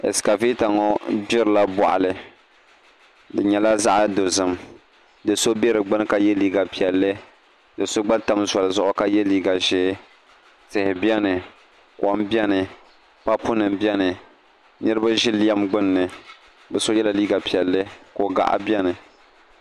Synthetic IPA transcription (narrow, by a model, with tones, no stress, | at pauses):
ɛ̰˨ska˨vi˦ta˨ŋɔ˦bɪ˦ɾɨ˨la˦bɔ̰˨ʔa̰˨lɨ˨ | dɨ˨ɲɛ˨la˦za˦ʔa˦do˨zɨ˨m | dɨ˨so˦bɛ˦ɾɨ˨ɡ͡bɨ˦n˦ka˦jɛ˦liː˦ɡa˨pi˨ɛ˨lːɨ˦ | dɨ˨so˦ɡ͡ba˦ta˦mza˨lɨ˨zʊ˦ʔʊ˦ka˦jɛ˦liː˦ɡa˨ʒɛː˦ | tɨ˨hɪ˨bjɛ˦nɨ˨ | ka˨˦m˦bjɛ˦nɨ˨ | pa˦pʊ˦nɨ˨mbjɛ˦nɨ˨ | nɨ˦ɾɨ˦ba˦ʒɪ˦li˦a˦mɡ͡bɨ˦nː˨ɨ˨ | bɛ˨so˦jɛ˦la˨liː˦ɡa˨pi˨ɛ˨lːɨ˦ko˨ɡa̰˨ʔa̰˦bjɛ˦nɨ˨